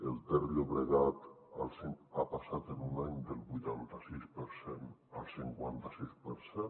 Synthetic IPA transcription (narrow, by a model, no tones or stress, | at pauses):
elˠt̪ɛɾioβɾeɣat̪ | a̰lˠsiŋapasat̪enunaɲd̪elˠβujt̪ant̪asispeɾsenalˠsiŋkwant̪asispeɾse